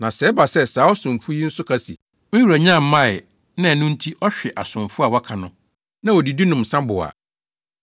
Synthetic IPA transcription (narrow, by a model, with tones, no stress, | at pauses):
nã˨sɛ˨˦ba˨sɛ˦saː˨˦ɔ˦sʊ̃˨m˨fu˦i˦n̩˦sʊ˦kʰa˦sḭ˨ | mɪ̃˦wa˨ɲã˦˨m̩˦mːã˦˨ɪ˨ | nã˦˨nʊ̃˦n̩˦tʰi˦ʔɔ˦ɕᶣɛ˨ʔa̰˨sʊ̃˨mfʊ˦a˨wɔ˦kʰa˨nʊ̃˦ | nã˦ɔ˨di˨di˦nʊ̃˨m̩sã˦bʊ˨a̰˨